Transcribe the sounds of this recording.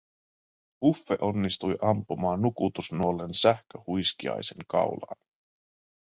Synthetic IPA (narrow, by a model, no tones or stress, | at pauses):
ufːe̞̰ʔo̞nːist̪ujʔɑmpːumɑːnːukut̪usnuolːe̞nsæhkøhujskiɑ̰jse̞̰ŋkɑ̰wlɑ̰ːn